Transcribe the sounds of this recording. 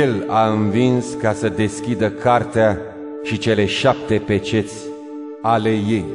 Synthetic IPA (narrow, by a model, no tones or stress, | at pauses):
ela̰ɨnvinskasəd̪e̞skʲid̪əkart̪ea | ʃit͡ʃe̞le̞ʃap̚t̪e̞pe̞t͡ʃe̞t̪sʲ | ale̞je̞j